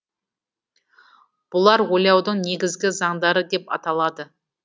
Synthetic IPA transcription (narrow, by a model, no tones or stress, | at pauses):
b̥ʊlˠɑɾwojɑwd̪əɴne̞ɡʲɪzɡʲɪzɑɴd̪ɑɾəd̪e̞pɑ̰t̪ɑlˠɑd̪ə